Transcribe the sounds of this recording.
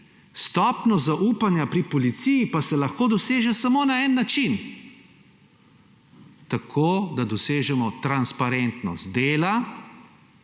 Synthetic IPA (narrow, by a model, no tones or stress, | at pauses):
st̪ɔːpnɔzaʔuːpanjapɾipɔlit̪sijipasɛlaxkoːd̪ɔseːʒɛsamoːnaɛnːat͡ʃin | t̪akʰoːd̪ad̪ɔseːʒɛmɔt̪ɾanspaɾɛnt̪nɔ̰st̪̚d̪eːla